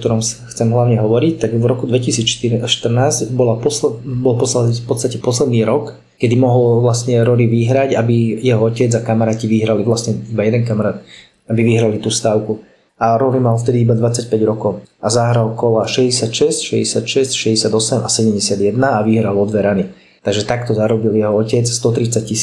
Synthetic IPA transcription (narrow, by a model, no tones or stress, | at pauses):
kt̪ɔɾɔmsxt͡sɛmɦlaʊɲɛɦɔʋɔɾic̚t̪aɡvɾɔkud̪ʋɛcisiːt͡sʃʃt̪r̩naːzɟbɔlapɔsbɔlˠpɔpɔtt͡st̪acɛpɔslɛd̪niːɾɔk | kɛd̪imɔɦɔlʋlastɲɛɾɔliʋiɦɾaɟabijɛɦɔɔcɛd͡zakamaɾaːciʋiɦɾalivlasɲɛibajɛd̪ɛnkamaɾaːt̪ | abiʋiɦɾalit̪uːst̪aːʊku | aɾɔnimaɔft̪ɛd̪iibad̪ʋat͡sac̚pɛɟɾɔkɔʊazaɦɾalkɔlaʃɛzɟɛsɪacʃɛscʃɛzɟɛsɪacʃɛscʃɛzɟɛsɪad̪ɔsɛmasɛɟɛmɟɛsɪad̪jɛd̪naaʋiɦɾalɔd̪ʋɛɾani | t̪aɡʒɛt̪akt̪ɔzaɾɔbiljɛɦɔɔcɛt͡sst̪ɔt̪ɾit͡sac̚cːis